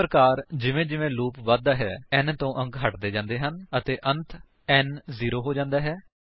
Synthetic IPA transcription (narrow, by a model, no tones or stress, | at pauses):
ɾkaːɾd͡ʒɪʋẽːd͡ʒɪʋẽːluːpʋaːd̪aːɦɛːɛnt̪õːʔəŋɡɦəʈd̪eːd͡ʒãːnd̪eːɦənət̪eːʔənt̪ʰ | ɛnziːɾoːɦoːd͡ʒãːnd̪aːɦɛː